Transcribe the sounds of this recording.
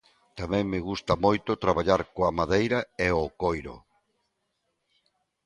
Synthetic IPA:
t̪amɛ̃ŋmɪɣust̪ɐmojt̪ʊt̪ɾaβaʎaɾkoamaðejɾɐeokojɾo̰

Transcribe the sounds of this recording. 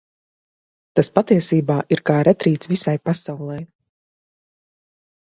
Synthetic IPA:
t̪aspat̪iɛsiːbaːʔiɾkaːɾɛt̪ɾiːt̪svisajpasawlˠɛj

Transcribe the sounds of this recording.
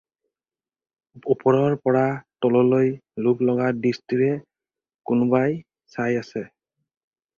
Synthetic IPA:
upɔɹɔɹpɔɹatɔlɔlojluklɔɡadistiɹɛ | kʊnʊbaj | sajasɛ

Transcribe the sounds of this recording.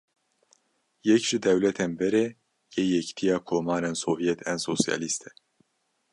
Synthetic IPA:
jɛcʒ̥ɪd̪ɛwlɛt̪ʰɛnbɛɾɛ | jejɛct̪ʰijaːkʰoːmaːɾɛnsoːvijɛt̪ʰɛnsoːsija̰ːlist̪ʰɛ

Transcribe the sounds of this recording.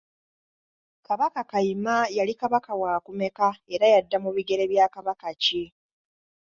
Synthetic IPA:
kaβakakaimajalikaβakawaːkume̞kae̞ɾajadːamuβiɡe̞ɾe̞βjaːkaβakace

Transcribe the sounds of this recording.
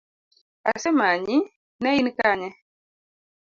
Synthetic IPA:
a̰sɛmaɲi | nɛinikaɲɛ

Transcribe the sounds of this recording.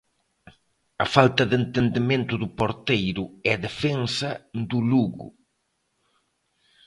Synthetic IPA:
ɐfalt̪ɐðent̪end̪emẽnt̪ʊðʊpoɾt̪ejɾʊɛðefeŋsɐd̪ʊluɣʊ̰

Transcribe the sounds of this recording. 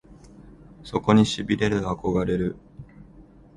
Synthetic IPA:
so̞ko̞ɲ̟iɕibʲiɾe̞ɾɯako̞ɡaɾe̞ɾɯ̟

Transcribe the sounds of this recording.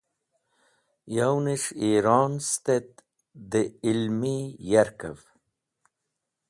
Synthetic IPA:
jawniʂiɾɑːnst̪et̪̚ | d̪eilmijaɾkə̰v

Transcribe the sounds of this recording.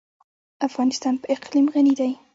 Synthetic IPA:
afɣɑnɪst̪ɑnpəɪqlimɣanid̪aj

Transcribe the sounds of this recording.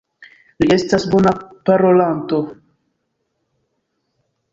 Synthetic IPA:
lie̞stasbo̞napaɾo̞lant̪o̞

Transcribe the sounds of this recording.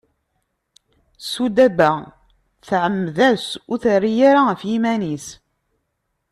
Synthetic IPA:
sud̪æbæ | θʕəmːðæsuθərːijaɾafjimænis

